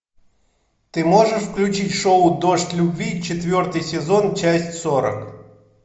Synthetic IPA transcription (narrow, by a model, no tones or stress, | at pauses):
t̪ɨmoʐɨʂfklʲʉt͡ɕitʲʂoʊd̪oʂtʲlʲʊbvʲit͡ɕɪt̪vʲo̞rt̪ɨjsʲɪzont͡ɕæsʲtʲsoɾə̰k